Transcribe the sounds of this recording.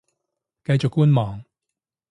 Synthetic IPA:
kɐ˧jt͡ʃʊ˨kːuː˥nmɔː˨˩ŋ

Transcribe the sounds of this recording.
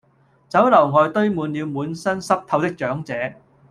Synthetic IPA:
t͡sɐ˨˥wlɐ˨˩wŋɔː˨˧jt̪ɵ˥ɥmuː˨˧nliː˨˧wmuː˨˥nsɐ˥nsɐ˥p̚t̪ʰɐ˧wt̪ɪ˥k̚t͡ʃœː˨˥ŋt͡sɛː˨˥

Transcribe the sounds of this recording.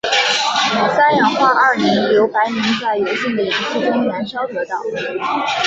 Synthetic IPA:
sa˥jɑ˧˥ŋxwa˥ʔa˥˩nɛ˧˥nljo˧˥ʊpa˧˥ɪmi˧˥ŋt͡sa˥˩ɪjo˧˥ʊɕi˥˩d̪ə˨˩i˨˩ʂ̩˥˩ʈ͡ʂʊ˥ŋɥɛ˧˥nʂɑ˥ʊt̪ɤ˧˥t̪ɑ˥˩ʊ

